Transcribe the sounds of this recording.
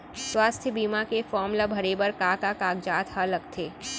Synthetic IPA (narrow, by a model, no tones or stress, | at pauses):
swaːst̪ʰjəbiːmakefɔːɾmlabʱɐɾeːbəɾkaːkakaːɡd͡ʒaːt̪hɐləkt̪ʰeː